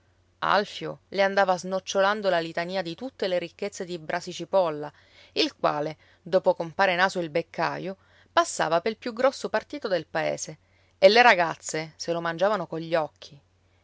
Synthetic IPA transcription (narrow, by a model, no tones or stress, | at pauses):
a̰lfjo̰leand̪aːvaznot͡ʃːoland̪olalit̪aniːad̪it̪ut̪ːeleɾikːet̪sːed̪ibɾʔasit͡ʃipɔlːa | ilkwa̰ːle | d̪oːpokompaːɾenaːzoilbekːa̰jo | pasːa̰ːvapelpjuɡɾɔsːopart̪iːt̪od̪elpaḛːze | elːeɾaɡat̪sːeselomand͡ʒaːvanokoɲʎːɔkʰːi